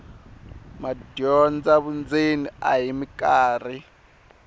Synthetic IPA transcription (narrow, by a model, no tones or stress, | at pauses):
madɔnd͡zaβund͡zinia̰ɦimikaːr̤i